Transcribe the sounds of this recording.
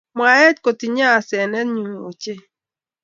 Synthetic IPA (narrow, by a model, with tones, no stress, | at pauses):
mwa˨ɛ˦tko˨ti˨ɲa˦˨sɛ˨nɛ˦ɲu˨ŋ˨o˨t͡ʃe˦